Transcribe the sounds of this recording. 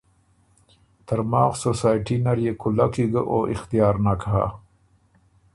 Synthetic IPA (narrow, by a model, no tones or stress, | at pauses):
t̪aɾmɑːxsosaːjʈinaɾjekʰʊlakiɡəʔoʔɪxt̪ijɑːɾnakɦa̰